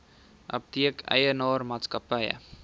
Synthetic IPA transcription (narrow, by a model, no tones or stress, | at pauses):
ʔɐ̰p̚tiəkʰə̰jənɑːrmɑːtskɐpəjə̰